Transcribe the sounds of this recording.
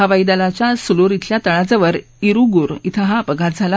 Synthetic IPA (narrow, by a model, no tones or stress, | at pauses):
aʋajd̪alat͡ɕjasuloɾit̪ʰljat̪əɭad͡zaʋəɾ | iɾuɡuɾit̪ʰəɦapəɡʱat̪d͡zʱala